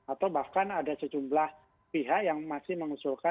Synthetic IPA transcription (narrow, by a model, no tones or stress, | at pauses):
at̪awbahkanadasəd͡ʒumblah | piɦaʔjaŋmasɪhməŋusulka